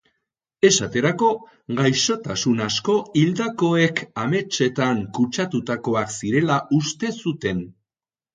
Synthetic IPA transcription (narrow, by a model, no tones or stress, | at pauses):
e̞sat̪e̞ɾako̞ | ɣajʃo̞t̪asunasko̞ild̪ako̞e̞kame̞t͡ʃe̞t̪aŋkut͡ʃat̪ut̪ako̞aksiɾe̞laust̪e̞sut̪e̞n